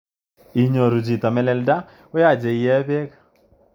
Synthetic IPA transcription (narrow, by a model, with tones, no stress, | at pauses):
i˨ɲo˨ɾu˨d͡ʒi˨t̪a˨mɛ˦lɛ˨lda˦ | o˦ja˦˨d͡ʒe˨i˨jɛ˦be˦k